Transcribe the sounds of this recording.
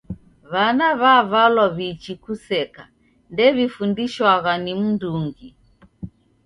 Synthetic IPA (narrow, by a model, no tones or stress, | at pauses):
βanaβaβalwaβit͡ʃikusɛka | ndɛβifundiʃwaɣanim̩nduŋɡi